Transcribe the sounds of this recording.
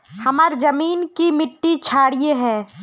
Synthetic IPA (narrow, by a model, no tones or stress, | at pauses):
hɐmaːɾd͡ʒɐmiːnkimɪʈːit͡ʃʰaːɽijeɦɛː